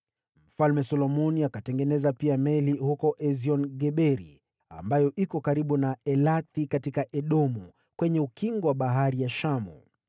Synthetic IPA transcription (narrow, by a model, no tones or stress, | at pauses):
m̩falmɛsɔlɔmɔniakatɛŋɡɛnɛzapiamɛlihukɔʔɛziɔnɡɛɓɛɾḭ | a̰mbajɔʔikɔkaɾiɓunaɛlaθikatikaʔɛɗɔmu | kwɛɲɛukiŋɡɔwaɓaɦaɾijaʃamṵ